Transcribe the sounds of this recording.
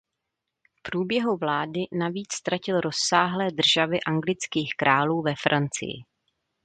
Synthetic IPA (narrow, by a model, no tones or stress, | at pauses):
fpɾuːbjɛɦuvlaːdɪnaviːt͡sst̪ɾacɪlɾo̞sːaːɦlɛːd̪r̩ʒavɪʔaŋɡlɪt͡skiːxkɾaːluːvɛfɾant͡sɪ̰jɪ̰